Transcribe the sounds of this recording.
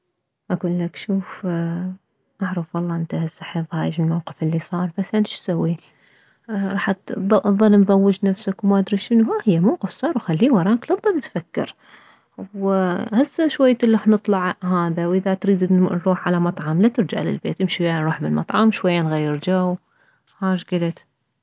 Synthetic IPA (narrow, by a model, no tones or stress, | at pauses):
ʔakulːakʃuːf | ʔɑʕɾˤɑfwɑlˤːɑːʔɪnt̪ahasːaħiðˤɑːjɪd͡ʒmɪlmawqɪ̥fɪlːisˤɑːɾˤbasːʔanɪʃsawːi | ɾˤɑːħt̪ðˤɑlːmðˤɑwːɪd͡ʒnafsakwmaʔad̪ɾiːʃʃɪnuhahɪjːamawqɨfsˤɑːɾˤwxalːiːwɑɾˤɑːklɨt̪ˤðˤɑlt̪fakːɪ̰ɾ | whasːaʃwajːt̪lɾuːħnɨt̪ˤlɑʕhaːðawʔɪðat̪ɾiːd̪nɾˤuːħʕalamɑt̪ˤʕɑmlat̪ɪɾd͡ʒa̰ʕlɪ̰lbḛːt̪ʔɪmʃiwjanɾuːħbɪlmɑ̰t̪ˤʕɑmʃwajːaːnɣajːɪɾd͡ʒaw | haːʃɡɪlat̪